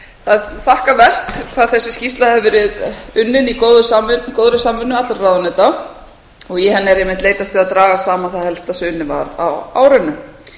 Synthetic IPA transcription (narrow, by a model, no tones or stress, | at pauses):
θaðθahkavɛr̥t̪kʰv̥aðθɛsːɪscist̪lahɛvvɪɾɪðʏnːɪnikoːwðʏsaːmʏkoːwðʏsaːmʏnːʏat̪laɾrawðʏnɛt̪a | ɔɣjɛɦɛnːɛɾejmɪht̪leːjt̪ast̪viaðt̪ɾaːɣasaːmaθaðhɛlst̪asʏːnɪva̰ɾa̰wa̰ːwɾɪnːʏ